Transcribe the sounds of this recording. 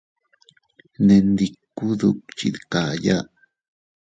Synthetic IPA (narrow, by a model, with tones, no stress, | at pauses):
ne˧nd̪i˧kːu˦ðuk̚t͡ʃḭ˧ðka˨ja˦ʔ